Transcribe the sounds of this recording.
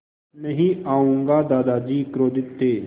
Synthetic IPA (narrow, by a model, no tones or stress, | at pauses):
nəɦĩːaːũːŋɡaːd̪aːd̪aːd͡ʒiːkɾoːd̪ɪt̪ːeː